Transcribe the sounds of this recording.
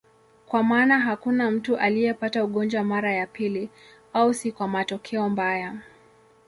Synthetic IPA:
kwamaːnaɦakunam̩tuʔalijɛpatauɠɔnd͡ʒwamaɾajapili | ausikwamatɔkʰɛɔmbaja

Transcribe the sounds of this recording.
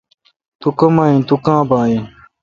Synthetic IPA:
t̪ukɐmaːĩːt̪ukãːbãːĩ

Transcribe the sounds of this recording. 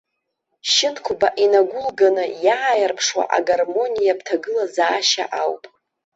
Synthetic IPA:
ʃɪnkʷʰʊbaʔinaɡʷʊlɡanɨjaːjarpʰʂwa̰ʔa̰ɡarmo̞nijab̚tʰaɡɨlazaːʃa̰ʔawpʼ

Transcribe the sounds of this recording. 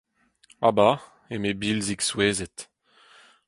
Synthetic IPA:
a̰ba | emebilziksweːzɛt̪

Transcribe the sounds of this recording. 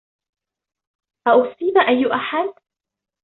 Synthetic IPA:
ʔaʔʊsˤiːnaʔajːʊʔaħad̪̚

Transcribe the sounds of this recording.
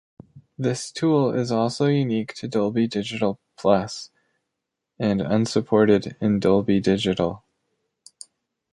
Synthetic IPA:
ðɪstʰulˠɪzɔlˠsoʊjʉniktʰɨdʌlˠbidɪd͡ʒɨɾl̩ˠpʰl̥ʌs | ɨ̃nʌ̰̃nsɨpʰɔɹɾɪɾɨ̃ndʌlˠbidɪd͡ʒɨɾl̩ˠ

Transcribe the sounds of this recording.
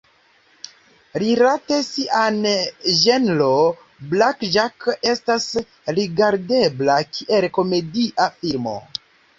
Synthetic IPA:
ɾilatesiʔanʒe̞nlo | blakʒake̞stas | ɾiɡaɾde̞blakʰiʔe̞lko̞me̞diʔafilmo̰

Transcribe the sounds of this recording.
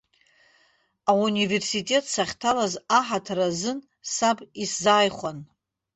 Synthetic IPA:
aunive̞rsitʼe̞tʰsaχʲtʰalazaħatʰarazɨn | sabiszaːjχʷan

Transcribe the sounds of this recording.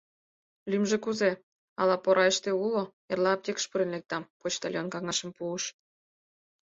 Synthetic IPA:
lymʒĕkuze | ɑ̰lˠɑpoɾʔɑeʃt̪eulo | erlɑp̚t̪ʲekə̥ʃpəɾə̆nlek̚t̪ɑmpot͡ɕt̪ɑlʲjonkɑŋɑʃə̆mpuəʃ

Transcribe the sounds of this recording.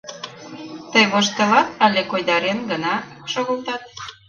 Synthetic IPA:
t̪əjmoʃ̬t̪ə̆lɑt̪ɑlekojd̪ɑɾenɡənɑʃoɣə̆lt̪ɑt̪̚

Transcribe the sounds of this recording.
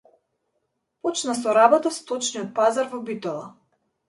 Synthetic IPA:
pɔt͡ʃnasɔɾabɔt̪ast̪ɔt͡ʃnijɔt̪̚pazaɾvɔbit̪ɔlˠa

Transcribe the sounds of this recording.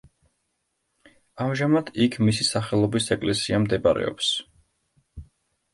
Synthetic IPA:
amʒamad̪̥ikʰmisisaχɛlˠɔbisɛkʼlɛsiamd̪ɛbaɾɛ̰ɔ̰ps

